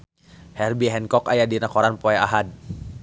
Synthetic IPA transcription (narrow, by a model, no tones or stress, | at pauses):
hɛrbiɦɛnkɔkajadinakɔɾanpɔɛaɦad̚